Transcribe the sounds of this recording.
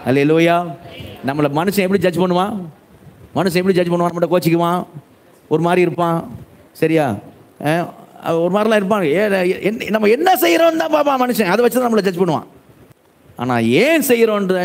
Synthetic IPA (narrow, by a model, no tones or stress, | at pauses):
hɐleːluːjaːnɐmːɐɭɐmɐnɯʂɐ̃ɛpːɐɽid͡ʒɐd͡ʒpɐɳːɯʋãː | mɐnɯʂɐ̃ɛpːɐɽid͡ʒɐd͡ʒpɐɳːɯʋaːnɐmːɐʈːɐkoːt͡ʃːɪkːɯʋãː | ɔɾɯmaːd̪ɾiɪɾɯpːãː | sɐɾɪjaː | ɐ̰ɔɾɯmaːɾɪlãːɪɾɯp̬ːaːɛnɐmːɐɛnːɐsɛjːɪɾõːnd̪ãːpaːpːãːmɐnɯʂɐ̃ɐðɐʋɐt͡ʃːt̪ãːnɐmːɐɭɐd͡ʒɐd͡ʒpɐɳːɯʋã̰ː | ʔa̰ːna̰ːeːsɛjɾõːnɾɐð